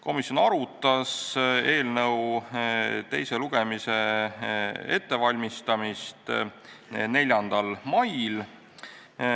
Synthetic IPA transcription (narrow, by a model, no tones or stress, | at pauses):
ko̞misjo̞nɑɾut̪ːˑɑse̞ːlnɤw | t̪e̞jse̞luɡ̥e̞mise̞ | e̞t̪ːe̞vɑlʲmist̪ɑmist̪ | ne̞lʲjɑnd̪̥ɑlmɑjl